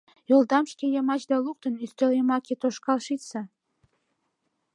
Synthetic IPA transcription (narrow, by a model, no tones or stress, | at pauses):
jolˠd̪ɑmʃkʲejɑmɑt͡ɕd̪ɑlˠuk̚t̪ɤ̆nyst̪eljemɑkʲet̪oʃkɑlˠʃit̪sɑ